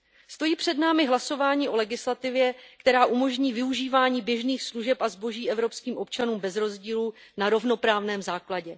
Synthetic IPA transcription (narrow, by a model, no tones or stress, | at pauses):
st̪o̞jiːpr̝̥ɛdnaːmɪɦlaso̞vaːɲiːʔo̞lɛɡɪslat̪ɪvjɛkt̪ɛɾaːʔumo̞ʒɲiːvɪuʒiːvaːɲiːbjɛʒniːxsluʒɛpazbo̞ʒiːʔɛvɾo̞pskiːmʔo̞p̚t͡ʃanuːmbɛzɾo̞zɟiːlu | naɾo̞vno̞pɾaːvnɛːmzaːklaɟɛ